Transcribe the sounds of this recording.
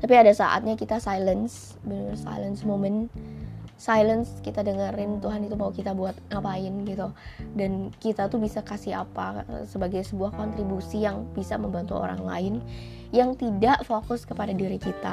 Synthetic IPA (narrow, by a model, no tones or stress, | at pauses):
t̪apiadasa̰ʔa̰t̪̚ɲakit̪asajləns | bənʊrsa̰jlənsmomɛn | sajlənskit̪adəŋəɾɪnt̪uɦanit̪umaukit̪abuat̪̚apaɪnɡit̪udankit̪at̪ubisakasiɦapa̰səbaɡajsəbuahkɔnt̪ɾibusijaŋbisaməmbant̪uo̰ɾa̰ŋla̰ɪn | jaŋt̪idaʔfokʊskəpadadiɾikit̪a̰